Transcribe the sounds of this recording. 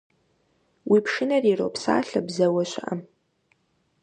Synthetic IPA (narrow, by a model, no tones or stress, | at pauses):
wʔipʰʂɨnɐriro̰wpʰsa̰ːɬɐbzɐwaɕʷɪ̰ʔa̰m